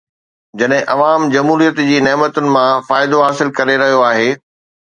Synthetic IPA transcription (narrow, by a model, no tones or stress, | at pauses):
d͡ʑɐɗɦɪ̃ʔɐʋaːmd͡ʑɐmɦuːɾijət̪d͡ʑiːneːmət̪ʊnɪ̆mãfaːɪd̪oɦaːsɪlkɐɾeɾɐɦijoaːɦeː